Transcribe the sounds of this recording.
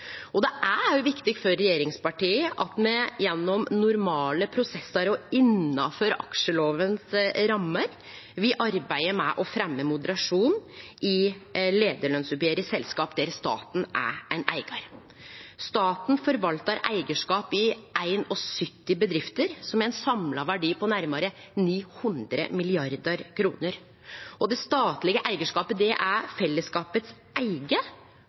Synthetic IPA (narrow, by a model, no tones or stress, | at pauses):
ɔd̪ɛʔæɾjʊʋɪkt̪ɪɡfɔɾːɛjeːɾɪŋspɑʈiːəʔɑt̪mɛjɛnːɔmnʊɾmɑːləpʰɾʊsɛsːɑɾɔɪnːɑfœɾɑ̰kʂəloːʋənsɾɑmːəɾ | ʋɪʔɑɾbæɪəɾmɛʔɔfɾɛmːəmʊd̪əɾɑʂuːnʔɪleːd̪əɭœnsʉpjeːɾəsɛlskɑːpd̪ɛɾst̪ɑ̰ːt̪n̩æ̰ɾæɪnʔæ̰ɪɡɑɾ | st̪ɑːt̪n̩fɔɾʋɑlt̪ɑɾæ̰ɪɡəʂkɑːpɪʔæɪnɔsʏt̪ːɪbəd̪ɾɪft̪əɾsɔmæɾɛɪnsɑmlɑʋæɖiːpɔnæɾmɑɾəniːhʉnd̪ɾə̰mɪlɪɑɾd̪əɾkʰɾṵːnəɾ | ʔɔd̪ɛst̪ɑːt̪lɪɡəʔæɪɡəʂkɑːpəd̪ɛʔæɾfɛlːəskɑːpət̪s | ʔæɪɡə